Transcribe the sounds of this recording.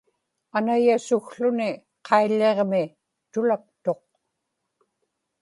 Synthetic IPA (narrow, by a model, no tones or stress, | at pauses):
anajasʊxɬʊnɪ | qʰɑilːeʁmɪ | t̪ʊlak̚t̪o̞q̚